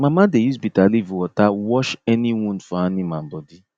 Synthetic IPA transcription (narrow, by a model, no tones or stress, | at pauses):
mamadejizbitalivwɔtawɔʃɛniwɔ̃nfaanimãm̩bɔdi